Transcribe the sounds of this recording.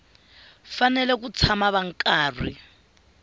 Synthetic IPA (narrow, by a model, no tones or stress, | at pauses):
fanɛlɛk̬ut͡sʰamaβaŋ̩kʼaːrḭ